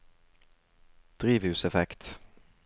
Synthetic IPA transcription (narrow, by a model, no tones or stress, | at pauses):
d̪̥ʁiːʋhʉːsɛfɛkt̪